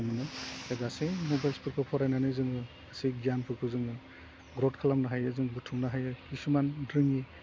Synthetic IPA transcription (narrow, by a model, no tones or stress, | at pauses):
mɯnɯedasemobajlspɯɾ̚pʰɯpʰɔɾajnanɯjzɯŋɯ | asiɡijanpʰɯɾpʰɯzɯŋɯ | ɡɾɔdkʰalamnaɦajɯzɯŋbutʰuŋnaɦajɯkisumandɾɯŋi